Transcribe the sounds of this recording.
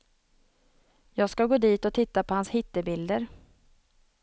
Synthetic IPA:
jɑːɡskaɡoːd̪iːt̪ɔt̪ʰɪt̪ːapʰɔhanshɪt̪ːəbɪld̪əɾ

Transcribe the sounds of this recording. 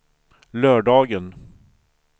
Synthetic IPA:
lœːɖɑːɡən

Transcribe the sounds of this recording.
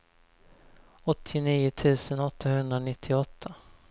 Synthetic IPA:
ɔt̪ʰːɪniːʊt̪ʰʉ̟ːsənɔt̪ʰːahɵnd̪ɾanɪt̪ʰːɪɔt̪ʰːa

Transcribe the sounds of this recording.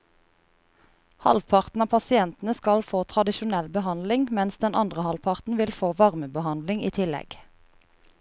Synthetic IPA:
hɑ̰lʋpʰɑʁt̪n̩ɑːpʰɑsɪɛnt̪n̩əskɑlfoːt̪ʰʁɑd̪ɪʃʊnɛlbəhɑnd̪lɪŋmɛnsd̪ɛnʔɑ̰nd̪ʁəhɑlpʰɑʁt̪n̩ʋɪlfoːʋɑʁməbəhɑnd̪lɪŋiːt̪ʰɪlɛ̰ɡ̥

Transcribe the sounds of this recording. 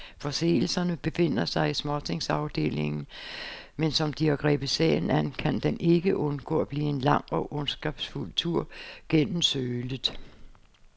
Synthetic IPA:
fɒ̽se̝̰ːl̩sɐnəb̥e̝fe̝n̰ɐsɑ̈ɪismɒt͡sʰe̝ŋsɑ̈ʊd̥e̝̰ːle̝ŋn̩ | mensɒ̽md̥iæɡ̥ʁɛ̰ːb̥əsɛ̰ɪn̩ænkʰænd̥ene̝ɡ̥əʔɔ̽nɡ̥ɔ̰̽ːɒb̥liːe̝nlɑ̈ŋ̰ɒ̽ʔɔ̽nsɡ̥ɑb̥sful̰t͡sʰuɐ̰ɡ̥en̰m̩søːləð̩ˠ

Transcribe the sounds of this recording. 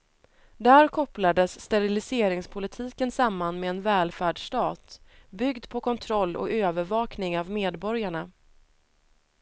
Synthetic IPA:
d̪æːɾkʰɔplad̪əsːt̪ɛɾɪlɪseːɾɪŋspʰʊlɪt̪ʰiːkənsamːanmeɛnvɛːlfæːɖʂʈɑːt̪bʏɡd̪pʰɔkʰɔnt̪ʰɾɔlːɔ̰køːvəɾvɑːknɪŋavmeːd̪bɔɾjaɳa

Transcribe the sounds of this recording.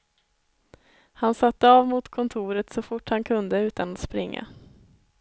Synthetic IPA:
hansat̪ːəaːvmʊt̪kʰɔnt̪ʰuːɾət̪sɔfʊʈːhankʰɵnd̪əʉ̟ːt̪anat̪spɾɪŋːa̰

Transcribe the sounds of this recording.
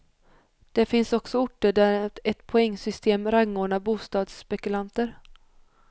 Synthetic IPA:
d̪̥ɛfɪnsɔksɔʊʈːəɖæɾɛt̪pʰɔɛŋːsʏst̪ʰeːmɾaŋːoːɳabuːst̪ɑːd̪sːpɛkɵlant̪əɾ

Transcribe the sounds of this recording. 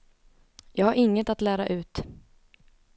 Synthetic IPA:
jɑːɡhaɾɪŋːət̪at̪læːɾaʔʉ̟ːt̪

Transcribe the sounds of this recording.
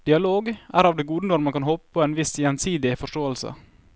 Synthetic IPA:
d̪̥ɪɑloːɡʔæːɾɑːʋd̪eːɡuːd̪ənɔɾmɑnkʰɑnhoːpə̥pʰoːeːnʋɪsjɛnsiːd̪ɪfɔʂʈoːəlsə̰

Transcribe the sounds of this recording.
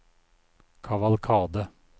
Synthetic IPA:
kʰɑʋɑlkʰɑːd̪ə

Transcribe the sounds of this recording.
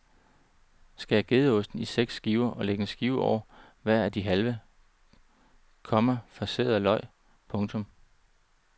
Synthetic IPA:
sɡ̥æjɑɡ̥e̝ð̞ˠɔ̽sd̥n̩iseɡ̥sːɡ̥iːʊɐʔɒ̽leɡ̥n̩sɡ̥iːʊɒʊ̰ɐ | ʋæɐ̰æd̥iɦælʋə | kʰɒ̽mɐfɑ̈se̝̰ðˠlɒ̽ɪ̰ | pʰɔ̽ŋt͡sʰɔ̽m

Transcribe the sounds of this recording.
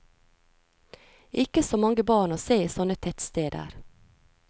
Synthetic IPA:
ʔɪkəsoːmɑŋɡəbɑːɳoːseːsɔnət̪ʰɛt̪st̪eːd̪ə̰ɾ

